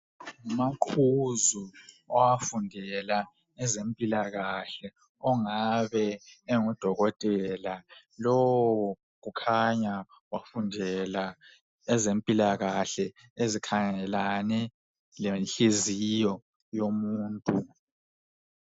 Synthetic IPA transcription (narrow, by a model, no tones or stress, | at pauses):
ŋumakʰuzu | ɔwafundʱɛla | ɛzempʼilaɣaɬɛ | ɔŋaβɛeŋud̥ʱɔɣɔtʼɛla | lowwɔ | ɣukʰaɲa | wafundʱɛla | ɛzempʼilaɣaɬɛ | ezikʰaŋɛlanɛ | lɛnɬezijɔ | jomuːntʼu